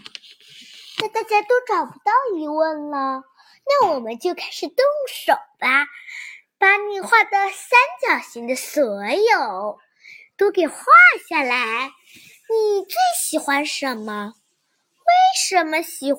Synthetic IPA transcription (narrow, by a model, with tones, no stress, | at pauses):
na˥˧t̪a˥˩t͡ɕja˥t̪o˥ʊʈ͡ʂɑ˨˩ʊpu˧˥t̪ɑ˥˩ʊi˧˥wə˥˩nlə˩ | na˥˩wɔ˨˩mə˦nt͡ɕjo˥˧ʊkʰa˥ɪʂɻ̩˨˩t̪ʊ˥˩ŋʂo˨˩˦ʊba˧ | pa˧˥ni˨˩xwa˥˩d̪ə˧˩sa˥nt͡ɕjɑ˨˩ʊɕi˧˥ŋd̪ə˧sɤ˧˥jo˨˩˦ʊ | t̪o˥ʊke˨˩ɪxwa˥˧ɕja˥˩la˧˥ɪ | ni˨˩t͡swe˥˩ɪɕi˨˩xwa˥nʂə˧˥˦nmə˧ | we˥˩ɪʂə˧˥nmə˧ɕi˨˩x